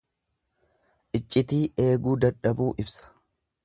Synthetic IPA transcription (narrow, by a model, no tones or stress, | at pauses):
ʔɪt͡ʃʼːɪt̪iːʔe̞ːɡuːd̪ɐᶑɐbuːʔɪbsɐ̥